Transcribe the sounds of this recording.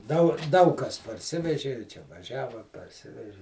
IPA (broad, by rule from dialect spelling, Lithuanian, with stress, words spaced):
dɐʊ ˈdɐʊk ˈkɐs pɐrʲˈsʲɪʋʲɛʒʲɪ ɪ ˈt͡ʃʲɛ ʋɐˈʒʲæːʋɐ pɐrʲˈsʲɪʋʲɛʒʲɪ